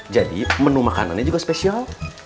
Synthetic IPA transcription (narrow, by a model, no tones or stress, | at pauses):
d͡ʒadḭmənumaka̰na̰nɲad͡ʒuɡaspesial